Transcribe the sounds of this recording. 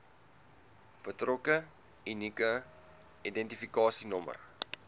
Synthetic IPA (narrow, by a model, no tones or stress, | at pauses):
b̥ətrɔkə | inikə | idɛntifikɑːsinɔmə̰r